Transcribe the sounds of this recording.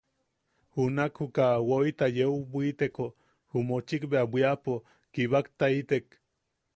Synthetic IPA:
hunakhukawoit̪ajewbʷit̪eko | humot͡ʃikbeabʷiapo | kiβakt̪ait̪ek

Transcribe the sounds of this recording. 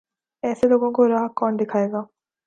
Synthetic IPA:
ɛːseloːɡõkoɾaːɦkːɔːnd̪ɪkʰaːeːɡaː

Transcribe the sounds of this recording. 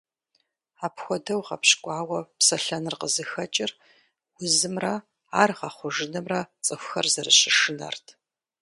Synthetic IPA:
aːpxʷɔdɐwʁɐ̰pɕkʷʼɑːwɐpsɐɬɐnɨrqəzɨxɐt͡ʃʼɪr | wʷʊzɨmrɐ | aːrʁɐχʷʊʒɨnɐmrɐt͡sʼɨxʷʊxɐ̰rzɐrɨɕɪʂɨnɐ̰rtʰ

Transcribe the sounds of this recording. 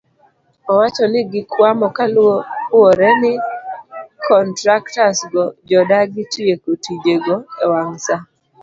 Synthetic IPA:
ɔwat͡ʃɔnɪɡɪkwamɔkalooɾɛnɪ | kɔntɾaktasɡɔd͡ʒɔdaɡɪtiekotid͡ʒeɡɔewaŋsa

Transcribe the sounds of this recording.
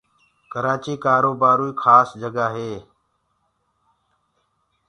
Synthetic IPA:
kəɾaːt͡ʃiːkaːɾoːbaːɾuːiːkʰaːsd͡ʒəɡaːɦeː

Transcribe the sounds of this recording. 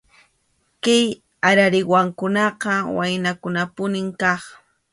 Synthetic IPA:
kaj | aɾaɾɪwaŋkʊnɑqɑwajnakʊnapʊnɪŋkɑχ

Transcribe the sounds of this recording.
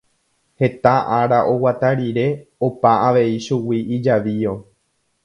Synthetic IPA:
he̞t̪aʔaɾaʔo̞wat̪aɾiɾe̞opaaʋe̞iʃuwiid͡ʒaʋio̞

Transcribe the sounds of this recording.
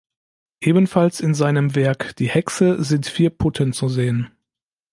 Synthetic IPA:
ʔeːbənfalsɪnzaɪnəmvɛɐkd̥iːhɛksəzɪntfiːɐpʰʊtʰənt͡suzeːən

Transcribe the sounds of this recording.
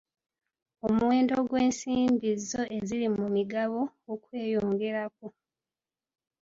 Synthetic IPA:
o̞muwe̞ːndo̞ɡwe̞ːnsiːmbizːo̞ʔe̞zilimumiɡaβoːkwe̞ːjoːŋɡe̞ɾak̚o

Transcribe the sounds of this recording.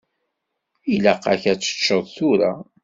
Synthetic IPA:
ilæqːæ̰çæt͡sːə̥t͡ʃːəðˤθuɾa

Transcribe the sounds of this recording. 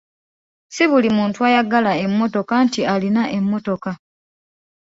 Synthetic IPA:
siβulimuːntuajaɡalae̞mːo̞to̞kantialinaʔemːo̞to̞ka

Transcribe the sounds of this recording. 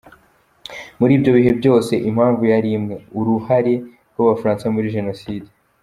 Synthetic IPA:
muɾiːbɟo̞βiɦe̞bjo̞ːse̞ʔimhaːɱvujaɾimŋe̞uɾuhaɾe̞ɾɡwaβafaɾaːnsamuɾiʒe̞no̞siːde

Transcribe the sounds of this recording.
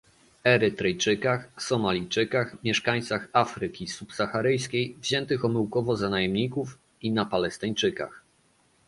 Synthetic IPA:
ɛɾɘt̪ɾɛjt͡ʂɘkaxsɔmalʲijt͡ʂɘkaxmʲjɛʂkaɲ̃t̪saxafɾɘkʲisupsaxaɾɘjskʲejvʑɛnt̪ɘxɔmɘwkɔvɔzanajɛmɲikuf | inapalɛst̪ɪɲt͡ʂɘka̰x

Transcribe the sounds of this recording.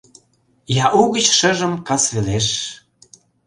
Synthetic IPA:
jɑʔuɣət͡ɕʃəʒə̆mkɑsveleʃ

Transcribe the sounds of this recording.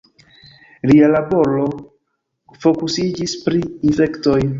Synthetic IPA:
lialabo̞ɾo̞ | fo̞kusid͡ʒispɾiːnfekto̞j

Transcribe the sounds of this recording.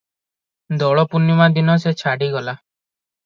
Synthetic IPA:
d̪ɔɭɔpunumad̪inɔset͡ʃʰaɽiɡɔla

